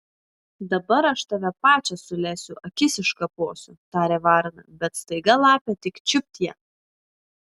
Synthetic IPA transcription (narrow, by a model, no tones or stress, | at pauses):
d̪ɐbɐɾɐʃt̪ɐʋʲɛpɑːt͡ʃʲɛsʊlʲæːsʲʊʔɐkʲɪsʲɪʃkɑpoːsʲʊt̪ɑːɾʲeːʋɑːɾnɐ̰bʲɛt̪st̪ɐɪɡɐlˠɑːpʲeːt̪ʲɪkt͡ʃʲʊpʲt̪ʲjɛ